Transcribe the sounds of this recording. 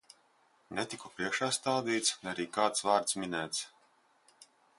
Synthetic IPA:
nɛt̪ikupɾiɛkʃaːst̪aːd̪iːt̪snɛaɾiːkaːt̪svaːɾt̪sminæːt̪s

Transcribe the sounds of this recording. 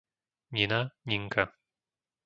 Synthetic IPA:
ɲʲinaɲʲiŋka

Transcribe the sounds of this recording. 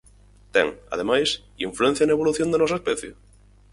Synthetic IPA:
t̪ḛŋa̰ð̞emajs | ḭɱfluẽn̟θjanaeβ̞oluθjond̪enɔsaespeθjḛ

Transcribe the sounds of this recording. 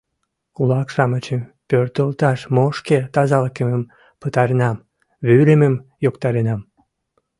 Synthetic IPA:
kulɑkʃɑmət͡ɕəmpørt̪əlt̪ɑʃmoʃket̪ɑzɑləkəməm | pət̪ɑɾenɑm | βyləməmjokt̪ɑɾenɑm

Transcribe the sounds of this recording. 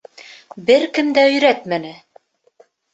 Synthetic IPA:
bɘɾkɘ̆md̪æɵ̆jɾæt̪mænɘ

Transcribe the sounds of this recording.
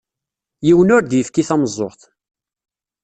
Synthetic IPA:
jiwənʊɾd̪jəfkiθæməzˤːoʁθ

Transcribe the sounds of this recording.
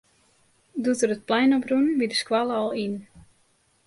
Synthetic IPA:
dutəɾət̚plɛjnɔprunbidəskwaləɔlˠin

